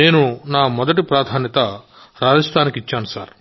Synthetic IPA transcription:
e̞ːnunaːmɔd̪ɐʈipɾaːd̪ʱaːnjɐt̪ɐ | ɾaːd͡ʒɐst̪ʰaːnikit͡ʃːaːnusa̰ːɾ

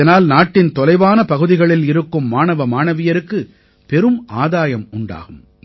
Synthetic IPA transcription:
ɐnaːlnaːʈːɪnt̪ɔlɐɪʋaːnɐpɐɣɯðɪɣɐɭɪlɪɾɯkːɯmːaːnɐʋɐmaːnɐʋɪjɐɾɯkːɯ | pɛɾɯmʔaːðaːjɐmʊɳɖa̰ːɣɯm

